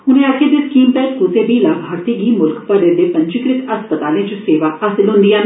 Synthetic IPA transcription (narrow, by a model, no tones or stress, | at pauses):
ɦʊnẽːaːkʰeːd̪eːskiːmp̪ɛːpuseːbiːlaːbʱaːɾt̪iːɡiːmʊlkpəɖed̪eːpəɲt͡ʃɪkɾɪt̪əspət̪aːlẽːt͡ʃʊseːʋaːhaːsɪlɦʊ̃nd̪ijãːn